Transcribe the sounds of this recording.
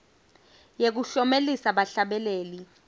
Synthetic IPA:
jek̬uɬɔmelisaɓaɬaɓɛleːli

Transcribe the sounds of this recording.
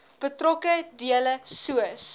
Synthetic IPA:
b̥ətrɔkədiələsuəs

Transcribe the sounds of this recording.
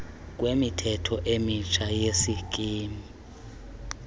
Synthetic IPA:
k̬ʼwemitʰɛtʰɔʔemit͡ʃʰajesikʼiːmi

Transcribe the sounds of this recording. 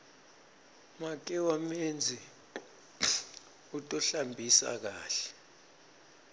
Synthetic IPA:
mak̬ʼɛwamend͡zʱi | utʼɔɬambʱisa̰k̬aːɬɛ̥

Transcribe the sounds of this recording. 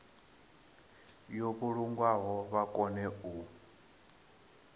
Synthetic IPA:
joβuɺuŋɡwaɦɔβakʼɔnɛu

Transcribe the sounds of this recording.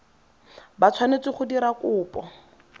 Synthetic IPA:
bat͡sʰwanet͡sɪχʊdiɾakʊːpɔ̰

